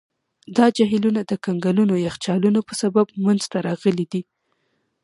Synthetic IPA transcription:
d̪ɑd͡ʒaɦilunad̪əkaŋɡalunojaxt͡ʃɑlunopəsabab̚manz̥t̪aɾɑɣəlid̪i

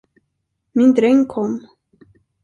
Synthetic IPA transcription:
mɪnd̪ɾɛŋkʰɔmː

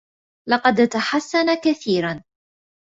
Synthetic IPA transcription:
lɑqɑd̪t̪aħasːanakaθiːɾan

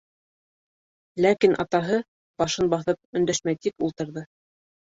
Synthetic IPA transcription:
lækinʔɑ̰t̪ɑɦɤ | b̥ɑʃɤnbɑθɤp̚ɵ̆nd̪æʃmæjt̪ikulˠt̪ɤ̆ɾðɤ

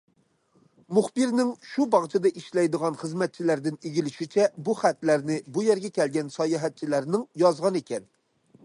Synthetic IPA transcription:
muχbɨɾnɪŋʃubɑʁt͡ʃʰɑd̪ɛʔiʃlɛjd̪əʁɑnχəzmɛt̪̚t͡ʃʰilæɾd̪ɪneɡʲilɪʃit͡ʃʰɛbuχæt̪læɾnɪbujɛɾɡʲɛkʲɛlɡʲɛnsɑjɑɦɛt̪̚t͡ʃʰilæɾnɪŋjɑzʁɑnekʲɛn

